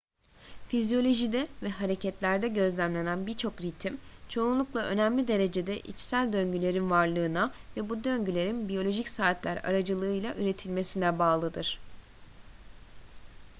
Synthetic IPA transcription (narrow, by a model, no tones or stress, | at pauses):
fizjo̞lʲo̞ʒid̪ɛvɛɦaɾe̞cʰɛt̪lʲæɾd̪ɛɟø̞zlʲæmlʲe̞nænbiɾt͡ʃʰo̞kɾit̪ʰimt͡ʃʰo̞ːnlˠuklˠaʔø̞næmlʲid̪e̞ɾe̞d͡ʒe̞d̪ɛʔḭt͡ʃsælʲd̪ø̞ɲɟylʲe̞ɾinvaɾlˠɯːnavɛbud̪ø̞ɲɟylʲe̞ɾinbijo̞lʲo̞ʒicsaːt̪lʲæɾa̰ɾad͡ʒɯlˠɯɯjlˠaʔyɾe̞t̪ʰilʲme̞sinɛbaːlˠɯd̪ɯɾ̥